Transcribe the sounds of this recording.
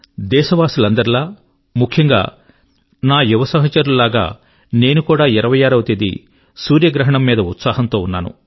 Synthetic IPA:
d̪ɛːʃɐʋaːsulɐnd̪ɐɾilaː | mukʰjɐŋɡa̰ː | naːjuʋɐsɐɦɐt͡ʃɐɾululaːɡa̰ː | ne̞ːnukuːɽaːiɾɐʋɐjaːɾɐwt̪ed̪ḭ | suːɾjɐɡɾɐɦɐɳɐmːiːd̪ɐut̪saːɦɐnt̪o̞ːunːa̰ːnṵ

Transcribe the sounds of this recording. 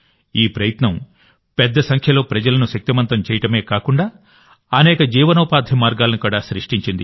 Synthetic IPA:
iːpɾɐjɐt̪nɐm | pɛd̪ːɐsɐŋkʰjɐlo̞ːpɾɐd͡ʒɐlɐnuʃɐk̚t̪imɐnt̪ɐmt͡ʃɛːjɐʈɐme̞ːkaːkuɳɖaː | ɐnɛːkɐd͡ʒiːʋɐnɔːpaːd̪ʱjɐmaːɾɡaːlɐnikuːɽaːsɾiʂʈiɲt͡ʃind̪ḭ

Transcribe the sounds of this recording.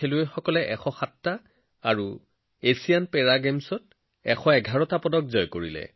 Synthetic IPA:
eluejxɔkɔlɛʔɛxɔxatːaː | ɹu | esijanpɛɹaɡemsɔt̚ | ɛxɔɛɡʱaɹɔtapɔdɔk̚zɔjkoɹilɛ̰

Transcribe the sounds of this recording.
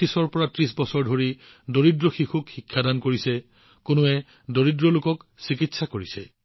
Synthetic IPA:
isɔɹpɔɹatɹis̬bɔsɔɹdʱoɹi | doɹidɹɔxixukxikʰːadankoɹisɛ | kʊnʊɛ | doɹidɹɔlʊkɔksikitsakoɹisɛ̰

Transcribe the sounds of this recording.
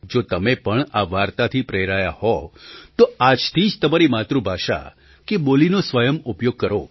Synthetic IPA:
d͡ʒot̪əmepəɳaʋaɾt̪at̪ʰipɾeɾajahɔt̪oad͡ʒt̪ʰid͡ʒt̪əmaɾimat̪ɾũbʱaʃa̰ | kebolinosʋəjəmʊpjoɡ̚kəɾo

